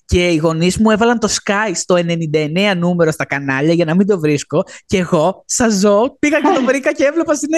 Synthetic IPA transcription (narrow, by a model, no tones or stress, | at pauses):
ce̞iɣo̞nizmuevɐlɐnt̪o̞skɐjst̪o̞e̞ne̞nind̪ɐe̞neɐnume̞ɾo̞st̪ɐkɐnɐʎɐʝɐnɐmind̪o̞vɾisko̞ce̞ɣo̞sɐzo̞piɣɐcet̪o̞vɾikɐceevlopɐsine